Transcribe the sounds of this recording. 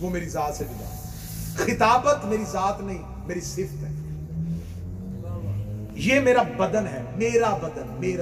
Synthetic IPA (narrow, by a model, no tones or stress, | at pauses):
ʋomeːɾizaːt̪sebɪla̰ː | xɪt̪aːbət̪meːɾizaːt̪nɐɦĩ | meːɾisɪft̪ɦɛ | jeːmeːɾabɐd̪ənɦɛːmeːɾabɐd̪ənmeːɾ